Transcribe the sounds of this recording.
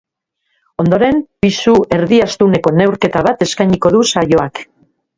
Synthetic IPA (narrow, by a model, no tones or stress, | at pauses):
o̞nd̪o̞ɾe̞mpisuʔe̞ɾðiast̪une̞ko̞ne̞wɾke̞t̪aβ̞at̪e̞skajɲiko̞ðusajo̞ak